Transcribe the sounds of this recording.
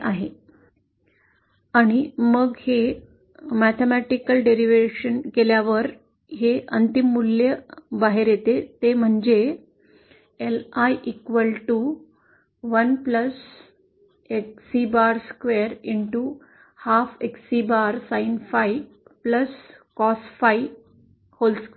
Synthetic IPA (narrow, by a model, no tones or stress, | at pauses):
ʔaɦe | aɽ̃iməɡhe | mæt̪ʰemæʈikəlɖeɾiʋeɕənkeljaʋəɾ | heʔənt̪imːuljəbaɦeɾjet̪et̪em̤əɳd͡ʑe | elajʔikʋəlʈu | ʋənpləs | eksibaɾskʋeɾiɳʈu | hafeksibaɾsainfai | pləskɔsfai | holsk